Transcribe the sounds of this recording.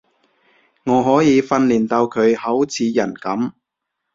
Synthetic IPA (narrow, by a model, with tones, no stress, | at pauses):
ŋɔː˨˧ɦɔː˨˥jiː˨˧fɐ˧nliː˨˩nt̪ɐ˧wkʰɵ˨˧ɥhɐ˨˥wt͡sʰiː˨˧jɐ˨˩nkɐ˨˥m